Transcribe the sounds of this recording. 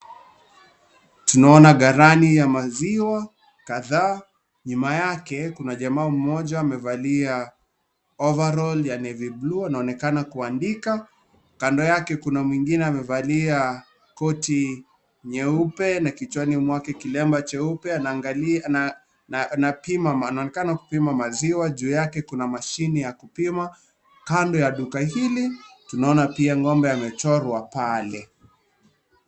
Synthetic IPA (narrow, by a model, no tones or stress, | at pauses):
tunaɔnaɠaɾanijamaziwa | kaðaː | ɲumajakɛkunaʄamaːm̩mɔʄaːmɛvalia | ɔvaɾɔljanɛvibluanaɔnɛkanakuandika | kandɔjakɛkunamwiŋɡinɛamɛvalia | kɔti | ɲɛupɛnakit͡ʃwanimwakɛkilɛmbat͡ʃɛupɛaa | napimaanaɔnɛkanaku̥pimamaziwaʄuːjakɛkunamaʃinijakupima | kandɔjaɗukaɦilitunaɔnapiaŋɡɔmbɛamɛt͡ʃɔɾwapalɛ